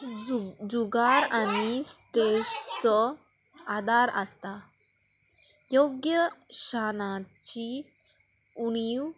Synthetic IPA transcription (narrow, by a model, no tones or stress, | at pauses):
d͡zuɡaɾañist̪ɾeʂt͡sɔ | ad̪ʱaɾəst̪a | joɡjəɕanat͡ɕi | uɽ̃iw